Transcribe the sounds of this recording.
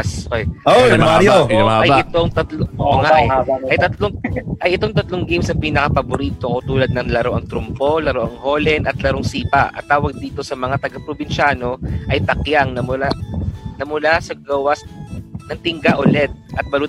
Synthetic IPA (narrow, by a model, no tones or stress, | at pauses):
so | ɐjɪt̪oŋt̪ɐt̪loŋaʔɛʔɐjt̪ɐt̪loŋʔɐjʔɪt̪o̞ŋt̪ɐt̪loŋɡejmsɐpiːnɐkɐpɐboɾiːt̪okot̪uːlɐd̪̚nɐŋlɐɾoʔɐŋt̪ɾʊmpo̞lɐɾoʔɐŋho̞ːlɛnɐt̪lɐɾoŋsiːpɐ̰ʔɐ̰t̪ːaːwɐɡ̚d̪iːt̪o̞sɐmɐŋat̪ɐɡɐpɾobɪnʃaːno̞ʔɐjt̪ɐkjaŋnɐmʊlanɐmʊlasɐɡɐwasnɐŋt̪ɪŋɡaʔʊlɛd̪̚ʔɐt̪̚bɐlu